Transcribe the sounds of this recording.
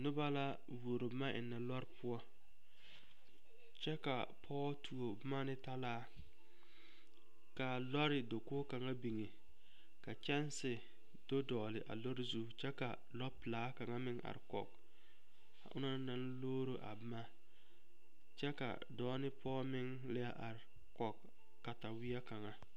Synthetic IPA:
nʊ˦ba˦la˦ | wu˨o˨ɾo˨bma˦ʔɪ̰˨nːa˨lɔ˦ɾɪ˦pʊ˦ɔ˦ | t͡ʃɛ˦ka˨ | pʰɔː˦tu˨o˨bɨ˦ma˦nɪ˦ta˦laː˦ | ka˨lɔ˦ɾɪ˨do˨koː˦ka˨ŋa˦bi˨ŋe˨ | ka˨t͡ʃɛ˦nsɪ˨ | d̥o˦dɔː˨lɪ˨ʔa̰˨lo˦ɾɪ˦zu˦t͡ʃɛ˦ka̰˨ | lɔ˦pɪ˨laː˦ka˨ŋa˦mɪ˦ŋʔa̰˨ɾɪ˨kɔ̰˨k | a˨ʔʊ̰˦na˦na˦n˦loː˦ɾo˦ʔa̰˨bɪ˦ma˦ | t͡ʃɛ˦ka̰˨ | dɔː˦nɪ˦pʰɔː˦mɪ˦ŋ | lɪ˦a˦ʔa˨ɾɪ˨ | kɔ˨k | kːa˨ta˨wɪ˦a˦ka˨ŋa˦

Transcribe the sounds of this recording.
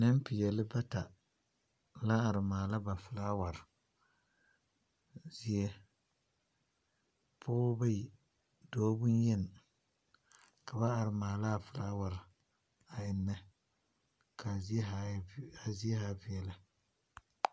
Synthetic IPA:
nɨ˦m˦pɪ˨jɛ˨lɨ˦ba˦ta˨ | la˦a˨ɾɨ˨maː˨la˦ba˨fɨ˨laː˦wa˨ɾɨ˨ | zi˦je˦ | pʰʊ˦ʊ˦ba˦i˨ | doː˦bu˦n˦jɛ˦˨n˨ | ka˨ba˦a˨ɾɪ˨maː˨la˦˨fɨ˨laː˦wa˨ɾɪ˨ | a˨jɪ˨nːɛ˦ | kʰa˨˦a˨˦a˨zi˦ɛ˦ha˦bɪ˨ɛ˨la˦

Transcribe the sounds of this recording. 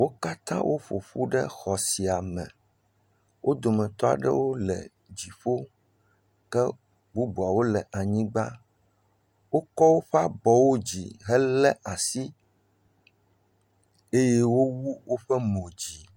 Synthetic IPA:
wo˦ka˦t̪ã̰˦wʔo˦ɸo̰˨ɸu˦ɖɛ˦xɔ˨si˨a˨mɛ̰̃˨ | wʔo˦d̪o˨mɛ̃˨t̪ɔ˦a̰˨ɖɛ̰˦wo˦lɛ̰˨ | d͡ʑi˨ɸo˦ | kɛ˦ | bu˦bu˨a˨wo˦lɛ˨ʔa˨ɲĩ˦ɡ͡ba̰˦ | wo˦kɔ˦wo˦ɸɛ˦a˦bɔ˨wo˦d͡ʑḭ˨ɦɛ˦lɛ˦ʔa˨si˦ | e˦je˦wo˦wu˦wo˦ɸɛ˦mõ˨d͡ʑi˨

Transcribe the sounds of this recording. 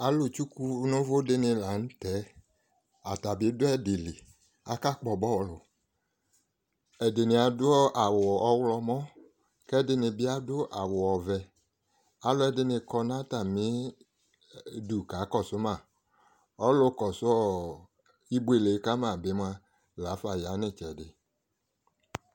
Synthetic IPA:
a˨lʊ˨t͡ʃu˦ku˧˦nʊ˦vʊ˦dɪ˦nɪ˧la˨n̩˦tɛ˨˦ | a˨ta˨bɪ˨˦dʊ˦ɛ˦dɪ˨li˨ | a˨ka˦k͡pɔ˨bɔ˦˨˦lʊ˨ | ɛ˨dɪ˨nɪ˨a˨dʊ˦ɔ˦ʔa˨wʊ˨ɔ˧wlɔ˧mɔ̃˦ | kɛ˦dɪ˧nɪ˧bɪ˦a˦dʊ˦ʔa˨wʊ˨ɔ˨vɛ˨ | a˨˦lʊ˦ɛ˨dɪ˦nɪ˧kɔ˧na˦ta˨mɪ˦ | du˨ka˨˦kɔ˦˨sʊ˦ma˦˨ | ɔ˦lʊ˧˦kɔ˨sʊ˦ɔ˦˨ | i˦bu˦e˨le˨˦ka˦mã˦˨bɪ˨˦m˦a˧ | la˨˦fa˨ja˨˦nɪ˦˨t͡ʃɛ˨dɪ˨

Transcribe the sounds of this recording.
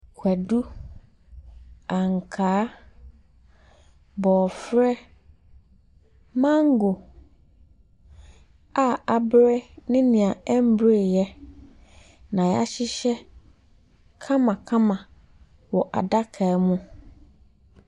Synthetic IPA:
kʰɛ˨du˦ | ã˨ŋ˨kʰaː˨˦ | bɔː˨fɾɛ˦ | mã˦ŋ˦ɡo˨ | a˨a˨bɾɛ˦nɪ̃˦nɪ̃˨ã˨ɛ˦m˦bɾe˨jɛ˦ | nã˨jɛ˨a˦ɕɪ˦ɕɛ˦ | kʰã˦mã˨kʰã˦mã˨ | wɔ˨ʔa̰˨da˦kʰa˨˦mʊ̃˦

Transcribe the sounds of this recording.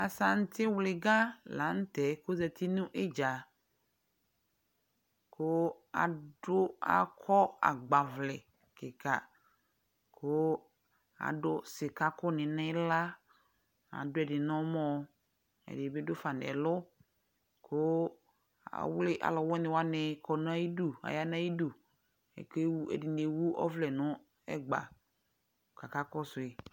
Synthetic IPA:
a˨sa˨n̩˦tɪ˦wlɪ˨ɡa˦la˨˦n̩˦tɛ˨kʊ˦zɛ˨tʰi˦nũ˦ʔɪ˦d͡ʒa˨ | kʰʊ˦ | a̰˨dʊ˦a̰˨kʰɔ˦a̰˨ɡ͡ba˨vlɪ˨ | kɪ˨ka˨ | kʰʊ˦ | a̰˨dʊ˦sɪ˨ka˦kʊ˦nɪ̃˨nɪ̃˦la˦ | a̰˨dʊ˦ɛ˨dɪ˨nɔ˦mɔ˦ | ɛ̰˨dɪ˨bɪ˦dʊ˦fa˨n˨ɛ̰˨lʊ˦ | kʰʊ˦ | a̰˨wlɪ˦ʔa̰˨lɔ˨wɔ˦nɪ˨wa˦nɪ˨kʰɔ˨n˦a˦ji˦du˨a̰˨ja˦n˦a˦ji˦du˨ | ɛ̰˨ke˦wu˦ɛ̰˨dɪ˨ne˨wu˦ʔɔ̰˦vlɛ˨nʊ˦ | ɛ˦ɡ͡ba̰˨ | ka˨ka˦kɔ˦sʊ˨ɪ˨

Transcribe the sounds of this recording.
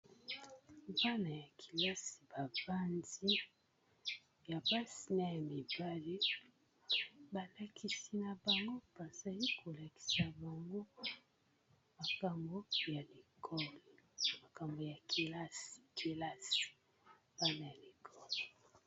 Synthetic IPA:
ba˦na˨ja˨kʰi̥˨la˦si̥˨ba˨v̥a˦nzdi˦ | ja˨ba˦si˨na˦ja˨mi˨ba˦li˦ | ba˨la˨kʰi˨si˨na˨ba˨ŋɡo˦b̥a˨za˨li˦kʰo˨la˨ki̥˨sa˨ba˨ŋɡo˦ | ma˨ka˨mbo˦ja˨le˨kʰɔ˦lma˨ka˨mbo˨ja˨ki˨la˦si̥˨ki˨la˦si̥˨ | ba˦na˨ja˨le˨kʰɔ˦li˨

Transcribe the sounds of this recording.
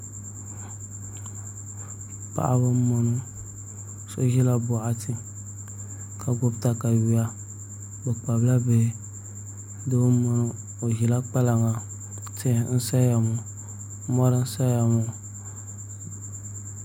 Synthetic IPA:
pa̰˨ʔa̰˨bo˦mɔ˨nũ˦ | so̰˦ʒi˦la˦bo˨a˨ti˦ | ka˨ɡo˦bt̪a˨ka˨wi˨a˦ | be˨k͡pa˨bla˦be˨˦ | do˦wo˦mo˨nũ˨ | o˨ʒi˨la˦k͡pa˦la˨ŋã˨˦ | te˦˨˦n̩˦sa˦ja˨mõ˨˦ | mɔ˦ɾa˦n̩˦sa˦ja˨mo˨

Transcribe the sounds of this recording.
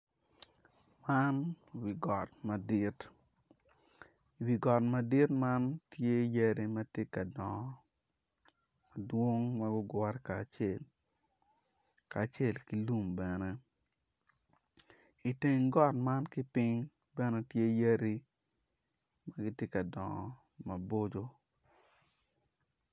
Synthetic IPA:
ma˦n | wi˨ɡɔ˨tma˨di˦t | i˨wi˨ɡɔ˨tma˨di˦tma˦ntje˦je˦ɾi˦mɐ˦tje˦ka˨dɔ˨˦ | a˨dwo˦ŋmɐ˦ɡʊ˦ɡwɔ˦ɾɛ˦ka˨t͡ʃe˨l | kaː˨t͡ʃe˦˨lki˦lu˦mbɛ˨nɛ˦ | i˨te˨ŋɡɔ˦tma˦nki˦pɪ˦ŋ | bɛ˦nɛ˦tje˦je˦ɾi˦ | ma˦ɡɪ˦tje˦ka˨dɔ˨ŋɔ̰˨ | ma˨bo˦d͡ʒo˦

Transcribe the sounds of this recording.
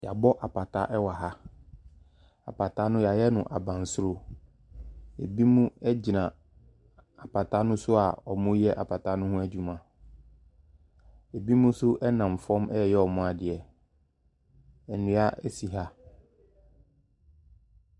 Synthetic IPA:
ja˨bɔ˦ʔa˨pa˨tʰa̰˦ʔɛ˦wa˨ɦa˦ | a̰˨pa˨tʰa˦nʊ̃˦ja˨jɛ˦nʊ̃˨ʔa˨bã˨nsʊ˦ɾo˦ | e˨bi˦mũ˦ɛ˦d͡ʑi˨nã˨ | a˨pʰa˨tʰa˦nʊ̃˦sʊ˦a˨ɔ˨mʊ̃˦jɛ˦ʔa˨pʰa˨tʰa˦nʊ̃˦hʊ̃˦æ˦d͡ʑu˦mã˨ | e˨bi˦mũ˦sʊ˦ʔɛ˦nã˨m˨fɔ̃˦mʔɛ˦˨jɛ˦ɔ˨mʊ̃˦a˨dɪ˨ɛ˨ | ɛ˨nũ˨˦a˦ɛ˦si˨ɦa˦

